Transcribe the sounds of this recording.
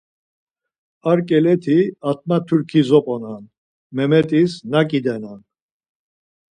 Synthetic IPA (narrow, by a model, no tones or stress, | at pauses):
aɾkʼɛlɛt̪ʰiat̪̚ʰʼmat̪ʰuɾkʰizɔpʼɔnan | mɛmɛt̪ʼisnakʼid̪ɛnan